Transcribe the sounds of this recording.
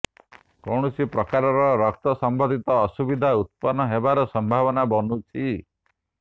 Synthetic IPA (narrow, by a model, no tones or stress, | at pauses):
kɔɽ̃ɔsipɾɔkaɾɔɾɔɾɔk̚t̪ɔsɔmbɔd̪ʱit̪ɔːsubid̪ʱaut̪̚pɔnːɔɦebaɾɔsɔmbʱaβɔnabɔnut͡ʃʰi